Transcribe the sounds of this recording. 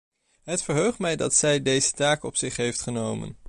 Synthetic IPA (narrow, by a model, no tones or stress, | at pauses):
ɦətfəɹɦøɥχtmɛjdɑ̰tsɛjdejzətaːkɔpsɪχɦejftχənowmə̰n